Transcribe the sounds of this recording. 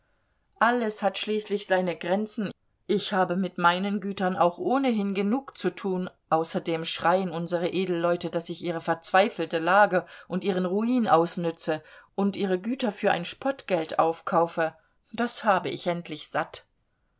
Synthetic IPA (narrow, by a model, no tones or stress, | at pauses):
ʔaləshatʃliːslɪçz̥aɪnəɡʁɛnt͡sn̩ | ʔɪçhaːbəmɪtmaɪnənɡyːtɐnʔa̰ʊxʔoːnəɦɪnɡənuːkt͡sutʰuːnʔaʊsɐdeːmʃʁ̥aɪənʊnzəʁəʔeːdl̩ːɔʏtəd̥asɪçʔiːʁ̞əfɛɐt͡sv̥aɪfl̩təlaːɡəʔʊntʔiːʁ̞ənʁuiːnʔaʊsnʏt͡səʔʊntʔiːʁ̞əɡyːtɐfyːɐʔa̰ɪnʃpʰɔtɡ̥ɛltʔa̰ʊfkʰaʊfə | d̥ashaːbəʔɪçʔɛntʰlɪçz̥at